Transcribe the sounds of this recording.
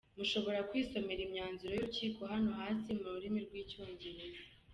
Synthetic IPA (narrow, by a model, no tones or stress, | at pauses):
muʃo̞βo̞ɾakwiːso̞me̞ɾimɲaːnzuɾo̞juuciːkoɦano̞ɦaːsimuɾuɾimiɾɡwiːcuːɲɟiɾe